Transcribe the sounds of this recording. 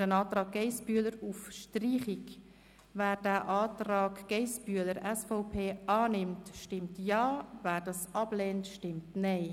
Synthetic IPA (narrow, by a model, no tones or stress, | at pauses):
ənɑːtɾɑːɡ̚ɡɛɪsbyələɾufʃtriːχik | væːɾdæːʔaːtrɑːkɡ̥ɛɪsbyələɾʔɛsfɔʊpʰeːʔɑːnɪmtʃtɪmtjɑːvæːɾdɑsɑb̥lɛːntʃtɪmtnɛɪ